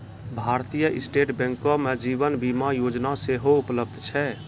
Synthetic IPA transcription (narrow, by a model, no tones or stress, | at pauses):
bʱaɾt̪ijəʔisʈeʈbɛ̃ŋkɔmed͡ʒibənbimajod͡ʒnaseɦoupləb̚d̪ʱt͡ʃʰɛ